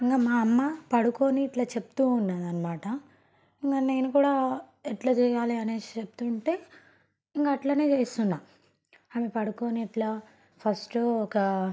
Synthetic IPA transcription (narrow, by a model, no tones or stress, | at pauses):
iŋkaːmaːɐmːapɐɽukoːniːʈlaːt͡ʃeput̪uːnːaːd̪ɐnːɐmaːʈɐ | iŋɡaːne̞ːnukuːɽaː | ɛʈlɐt͡ʃɛːjaːliɐneːt͡ʃept̪uɳʈe̞ː | iŋkaɐʈlaneːt͡ʃe̞ːst̪unːaː | aːmepɐɽukoːniːʈlaː | pʰɐsʈoɔkɐ